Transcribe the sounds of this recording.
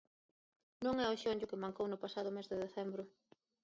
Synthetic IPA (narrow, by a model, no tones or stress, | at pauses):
nõŋɛoʃoɲɟʊkɪmaŋkownʊpasaðʊmezðɪðeθɛmbɾʊ